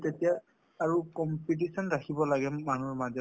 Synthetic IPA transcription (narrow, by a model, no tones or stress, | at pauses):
tetijaː | ɹukɔmpit̬isɔnɹakʰibɔlaɡɛmanuɹmadɔ